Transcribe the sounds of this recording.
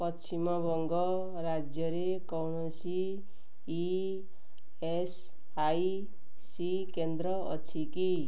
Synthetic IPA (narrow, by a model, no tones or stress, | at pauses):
pʌt͡sʰimʌbʱʌŋɡʌ | ɾad͡zjʌɾekʌwɳosiː | e | s | aj | si | kend̪ɾʌʌ̰t͡sʰiki